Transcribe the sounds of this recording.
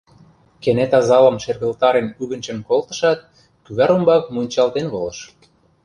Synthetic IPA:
kenet̪ɑzɑlə̆mʃerɣə̆lt̪ɑɾenyβə̆nt͡ɕə̆nkolt̪ə̥̆ʃɑt̪̚ | kyβæɾumbɑkmunʲt͡ɕɑlt̪enβolə̆ʃ

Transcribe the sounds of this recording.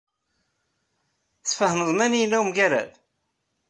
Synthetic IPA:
θfəhnəðˤmænijnːæwmɡæɾæ̰ð

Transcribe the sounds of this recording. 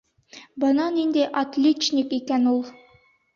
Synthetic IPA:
bɤ̆nɑnind̪æjʔɐt̪lʲet͡ɕnʲikikænulˠ

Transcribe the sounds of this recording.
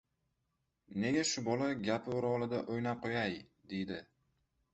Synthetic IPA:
ne̞ɡʲaʃʊbɒlaɡʲapʰɪʊɾɒlˠɪd̪aʔojnap̚qʰojajd̪e̞jd̪ɪ

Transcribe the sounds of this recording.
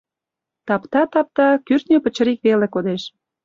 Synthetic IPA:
t̪ɑpt̪ɑt̪ɑp̚t̪ɑkyrt̪nʲøpə̆t͡ɕə̆ɾikβelekod̪eʃ

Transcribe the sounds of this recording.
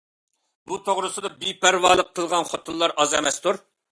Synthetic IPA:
but̪ʰoʁɾɨsɨd̪ɑbipæɾwɑːlˠəqʰːəlˠʁɑnχot̪ʰunlˠɑɾʔɑzɛmɛst̪ʰuɾ

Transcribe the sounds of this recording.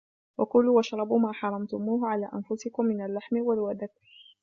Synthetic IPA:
wʔakʊlːuːʔaʃɾˤɑbʊmaːħɑɾˤɑmt̪ʊmuːɦʊʕalaːʔanfʊsɪkʊmːɪnalːaħmɪwalwad̪ad

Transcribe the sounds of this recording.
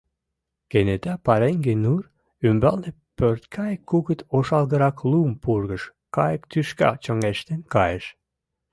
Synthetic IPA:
kenet̪æpɑɾeŋɡenur | ymbɑlne | pørt̪kʰɑjəkːuɣət̪oʃɑlɣə̆ɾɑklumpurɣəʃ | kɑjəkt̪yʃkɑ̰t͡ɕə̆ŋeʃt̪enkɑjəʃ

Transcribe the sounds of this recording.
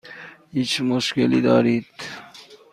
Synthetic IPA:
it͡ʃmuʃkelḭd̪ɑːɾit̪

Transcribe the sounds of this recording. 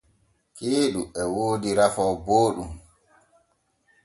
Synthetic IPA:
keːɗuʔɛwoːdiɾafɔːboːɗum

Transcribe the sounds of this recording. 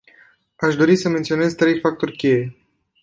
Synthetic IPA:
aʃd̪o̞ɾisəment̪sio̞ne̞zt̪ɾe̞jfak̚t̪o̞rʲkʲe̞je̞

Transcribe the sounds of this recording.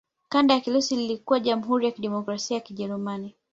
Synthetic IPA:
kandajakilusililikuwaʄamuɦuɾijakiɗɛmɔkɾasiajakiʄɛɾumani

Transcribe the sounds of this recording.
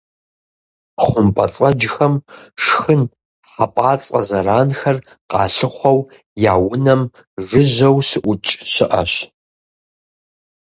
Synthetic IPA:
χʷʊmpʼɐt͡sʼɐd͡ʒxɐmʂxɨn | ħapʼaːt͡sʼɐ̰zɐɾaːnxɐr | qɑ̰ːɬɨχʷɐw | jaːwʊnɐm | ʒʷʊʑɐwsɨʔʷʊt͡ʃʼɕɪʔɐ̰ɕ

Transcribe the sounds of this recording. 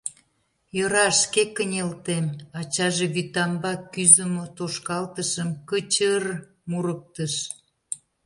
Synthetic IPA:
joɾɑʃkekːənʲelt̪emɑt͡ɕɑʒeβyt̪ɑmbɑkːyzəmot̪oʃkɑlt̪əʃəmkət͡ɕər | muɾək̚t̪əʃ

